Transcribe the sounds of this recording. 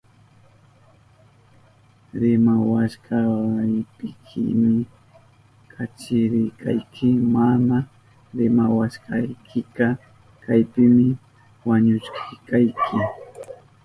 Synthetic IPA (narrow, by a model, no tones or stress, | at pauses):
ɾɪmawaʃkaɪpɪkʰɪ̰mɪ | kʰat͡ʃɪɾɪjkʰa̰jkʰɪmana | ɾɪmawaʃkɑjkʰɪkɑ | kajpɪmɪ | waɲʊʃkʰɪjkajkʰɪ